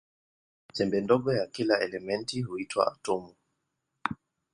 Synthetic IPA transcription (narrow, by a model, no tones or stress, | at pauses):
sɛmbɛndɔɠɔjakilaɛlɛmɛntiɦuitwa̰a̰tɔmu